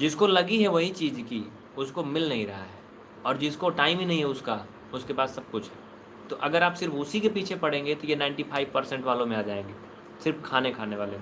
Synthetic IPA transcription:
d͡ʒɪskolɐɡiɦɛʋɐɦit͡ʃiːzki | ʊskomɪlnɐɦĩɾɐɦa̰ɦɛː | ɔːɾd͡ʒɪskoʈaːɪmɦinɐɦĩɦɛʊska | ʊskepaːsːɐb̚kʊt͡ʃʰɦɛː | t̪oʔɐɡəɾaːpsɪɾfʊsikepiːt͡ʃʰepɐɽ̤ẽːŋɡet̪ojenãɪ̃ɳʈipʰaːɪʋpɐɾsɛ̃ɳʈʋaːlõmẽaːd͡ʒaːẽːŋɡeː | sɪɾfkʰaːnekʰaːneʋaːleɦ

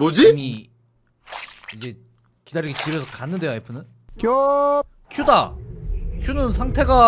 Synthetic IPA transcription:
mod͡ʑiŋi | id͡ʑe̞ | kidaɾiɡit͡ɕiɾjʌsʰʌkanːɯnde̞joajpʰɯnɯn | kjo | kʰjuda | kʰjunɯnsʰaŋtʰe̞ɡa

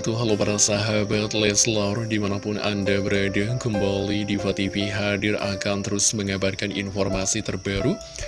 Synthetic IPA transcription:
t̪uɦalopaɾasaɦabat̪lɛslardimanapʊna̰ndabəɾadakəmbalidifat̪ifiɦadɪra̰kant̪əɾʊsməŋabarkanḭnfɔrmasit̪ərbaɾu

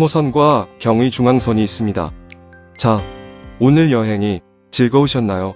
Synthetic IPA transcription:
mosʰʌnɡwakjʌŋwit͡ɕuŋɦaŋsʰʌɲiːs͈ɯmɲida̰ | t͡ɕaonɯɾjʌɦe̞ŋi | t͡ɕiɭɡʌuɕʰʌnːajo

